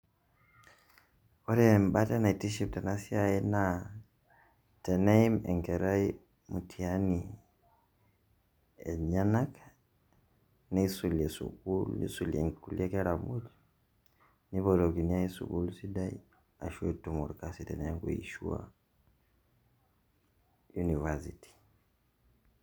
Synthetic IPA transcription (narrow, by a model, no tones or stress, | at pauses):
ɔɾɛmbatanaitiʃiptanasiaɛna | tɛnaimɛ̰ŋkɛɾai | mutʰiani | ɛɲanak | nɛisuliɛsṵkulḭsuliɛ̰ŋkuliakɛɾamuli | niβɔɾɔɡiniaisṵɡulsidai | aʃuɛtumɔɾkasitɛnɛŋɡuiʃṵa̰ | junivasiti̥